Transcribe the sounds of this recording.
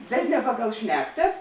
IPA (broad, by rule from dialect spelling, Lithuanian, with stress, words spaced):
bʲɛt nʲɛ ˈpɑːˌɡɐlˠ ˈʃʲnʲæːktɐ